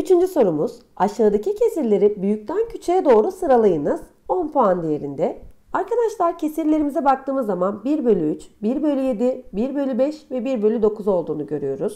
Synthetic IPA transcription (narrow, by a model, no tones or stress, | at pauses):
yt͡ʃʰynd͡ʒyso̞ɾumuz̥aʃaːd̪acʰicʰe̞siɾlʲe̞ɾibyjyc̚t̪ʰæncʰyt͡ʃʰejɛd̪o̞ːɾusɯɾalˠajɯnɯz̥ | o̞npʰoand̪ije̞ɾind̪ɛaɾkʰad̪aʃlˠaɾcʰe̞siɾlʲe̞ɾimizɛbak̚t̪ʰɯːmɯzːamanbiɾbø̞lʲyyt͡ʃbiɾbø̞lʲyje̞d̪ibiɾbø̞lʲybɛʃvɛbiɾbølʲyd̪o̞kʰuzo̞lˠd̪uːnuɟø̞ɾyjo̞ɾuz̥